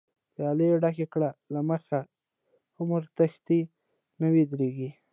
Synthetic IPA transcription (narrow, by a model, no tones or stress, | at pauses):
pjɑleɖaxekɽalaməxa | ʊmɾt̪axt̪i | nəwid̪ɾeɡi